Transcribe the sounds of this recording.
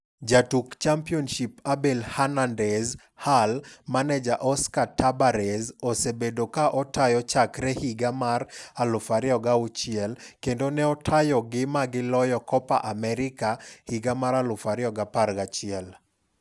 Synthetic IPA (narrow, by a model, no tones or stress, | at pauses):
d͡ʒatukt͡ʃampiɔnʃipabɛlhanandɛz | halmanɛd͡ʒaʔɔskatabaɾɛzosebedokaʔɔtajɔt͡ʃakɾɛhiɡamaralʊfaɾɪɔɡaut͡ʃɪɛlkendonɛɔtʰajɔɡɪmaɡɪlɔjɔkɔpa̰ʔamɛɾɪkahiɡamaɾalʊfaɾɪɔɡapaɾɡat͡ʃɪɛl